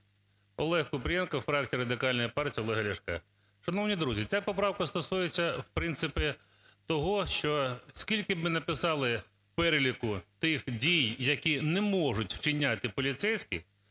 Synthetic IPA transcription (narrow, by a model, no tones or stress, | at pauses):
ɔlˠɛhkʊpɾʲjɛnkɐfɾɑk̚t͡sʲijiɾɐd̪ɪkɑlʲnɔjipɑrtʲiiɔlˠɛɦɐlʲɐʃkɛ̰ | ʃɐnɔwnʲid̪ɾuzʲit͡sʲapɔpɾɑwkɐst̪ɔsujet͡sʲːɐwpɾɪnt̪sɪpɪ | t̪ɔɦɔʃt͡ʃɔskʲilʲkɪbmɪnɐpɪsɑlˠɪ | pɛɾelʲikʊt̪ɪxdʲijːɐkʲinɛmɔʒʊtʲw̥t͡ʃɪnʲːat̪ɪpɔlʲit̪sɛjsʲkʲḭ